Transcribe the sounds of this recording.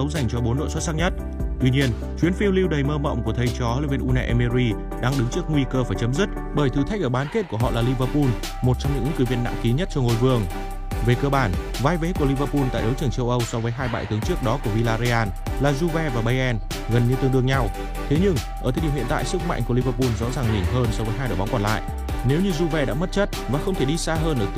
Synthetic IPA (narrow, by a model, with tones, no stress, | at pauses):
ə˨˦wza˨˩jŋ̟t͡ɕɔ˧ɓo˨˦nɗo̰˧˨jswə˦˥t̚sa˦˥k̚ɲə˦˥t̚ | t̪wi˧ɲi˧ən | t͡ɕwi˨˦ənfi˧wli˧wɗə˨˩jməː˧mə̰˧˨wŋ͡mku˧˩ət̪ʰə˨˩jt͡ɕɔ˨˦li˧˨vi˧nʔu˧na˧ʔɛ˧me˧ɾi˧ | ɗaː˧ŋɗɨ˨˦ŋt͡ɕɨ˦˥ək̚ŋwi˧kəː˧faː˧˩jt͡ɕə˨˦mzi˦˥t̚ | ɓəː˧˩jt̪ʰɨ˧t̪ʰa˦˥k̟̚əː˧˩ɓaː˨˦nke˦˥t̚ku˧˩əɦɔ̰˧˨laː˨˩li˧vəː˧pu˧n | mo˨˩t̚t͡ɕɔ˧ŋ͡mɲɨ̰˧˥ŋɨ̰˧˥ŋkɨ˨˦vi˧ənːa̰˧˨mki˨˦ɲə˦˥t̚t͡ɕɔ˧ŋo˨˩jvɨ˧˩əŋ | ve˨˩kəː˧ɓaː˧˩n | vaː˧jve˨˦ku˧˩əli˧vəː˧pu˧nt̪a̰ː˧˨jɗə˨˦wt͡ɕɨ˧˩əŋt͡ɕə˧wʔə˧wsɔ˨˧vəː˨˦jɦaː˧jɓa̰ː˧˨jt̪ɨ˨˦əŋt͡ɕɨ˦˥ək̚ɗɔ˨˦ku˧˩əvi˧laː˧zi˧ʔaː˧n | laː˨˩zu˧vɛ˧vaː˨˩ɓa˧jʔɛ˧n | ɣə˨˩nɲɨ˧t̪ɨ˧ŋt̪ɨ˧əŋɲa˧w | t̪ʰe˨˦ɲɨ˧ŋʔəː˧˩t̪ə˨˧˨i˨˩w̰ə˨nt̪a̰ː˧˨jsɨ˦˥k̚ma̰˧˨ŋku˧˩əli˧˩vəː˧pu˧nzɔ̰˧˥zaː˨˩ŋɲi˨˩ŋɦəː˧nsɔ˧vəː˨˦jɦaː˧jɗɓa˨˦wŋ͡mkɔ˧˩nla̰ː˧˨jʔ | ne˨˦wɲɨ˧zu˧vɛ˧ɗa̰ː˧˥mə˦˥t̚t͡ɕə˦˥t̚vaː˨˩xə˧wŋ͡mt̪ʰe˧˩ɗi˧saː˧ɦəː˧nʔəː˧˩